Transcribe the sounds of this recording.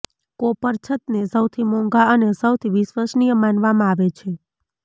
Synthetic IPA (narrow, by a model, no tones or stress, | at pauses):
kopəɾt͡ʃʰət̪nesəwt̪ʰimɔ̃ŋɡaənesəwt̪ʰiʋisʋəsnijəmanʋamãaʋet͡ʃʰe